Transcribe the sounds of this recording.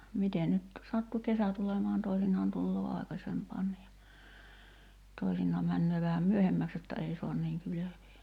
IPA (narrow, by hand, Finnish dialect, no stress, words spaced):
mite nyt sɑtːu kesæ tulemɑːn toisinˑɑːn tulːoː ɑˑi̞kɑsempɑːnːi jɑ toisinˑɑː mænːøː ʋæhæm myøhemːæks jotːɑ ei so̝ɑn niːŋ kyløʋeː